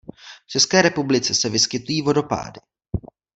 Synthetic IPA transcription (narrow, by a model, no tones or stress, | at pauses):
ft͡ʃɛskɛːɾɛpublɪt͡sɛsɛvɪskɪt̪ujiːvo̞do̞pa̰ːdɪ